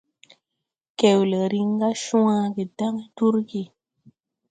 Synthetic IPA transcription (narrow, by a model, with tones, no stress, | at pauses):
ke˨wle˨ɾi˦ŋ˦ɡa˦ʃũ˦a˦ɡe˨da˦ŋ˦du˦ɾɡe˨